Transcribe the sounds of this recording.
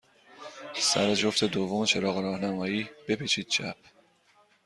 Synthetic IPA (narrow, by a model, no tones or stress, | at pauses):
sæɾed͡ʒo̞ft̪ʰe̞d̪ovːomet͡ʃʰe̞ɾɒːɣeɾɒːhnæmɒːjiːb̥e̞pʰet͡ʃʰiːd̪̥̚t͡ʃʰæ̰p̚ʰ